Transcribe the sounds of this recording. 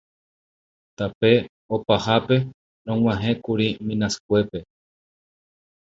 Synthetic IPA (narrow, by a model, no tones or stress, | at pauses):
t̪ape̞ | opahape̞ | ɾõŋw̃ãɦẽkuɾimĩnãsɨ̥kʷe̞pe̞